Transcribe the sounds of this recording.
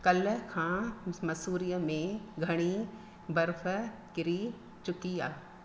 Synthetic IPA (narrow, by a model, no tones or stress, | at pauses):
kɐlkʰãːmɐsuːɾijəmẽɡʱɐɽ̃i | bɐɾfəkɪɾi | t͡ʃʊkiaː